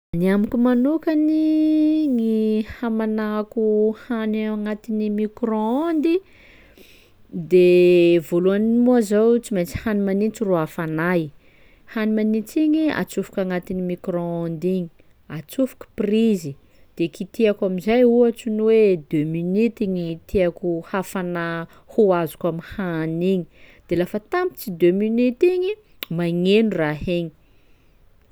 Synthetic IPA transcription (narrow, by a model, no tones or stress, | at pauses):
niamikumanukani | ŋihamanakuhanaaŋat̪inimikɾoond̪i | d̪evoluaninimuazawt͡simet͡si̥hanimanint͡siruafanaj | hanimanit͡siɲia̰t͡sufu̥kaŋat̪inimikroond̪iɲi̥ | at͡sufu̥ku̥prizi | d̪̥ekit̪iakamizajuat͡sunwed̪øminit̪iɲit̪ʰiakʲuhafana | huazu̥kamihaniɲid̪̥elafət̪ampi̥t͡sid̪øminit̪iɲi | maŋenuraheɲi̥